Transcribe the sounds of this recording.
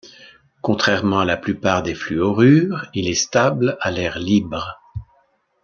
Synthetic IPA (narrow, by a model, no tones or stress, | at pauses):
kɔ̃t̪χɛʁmɑ̃alaplypaʁd̪eflyɔʁyːʁilɛst̪ablalɛʁlibʁ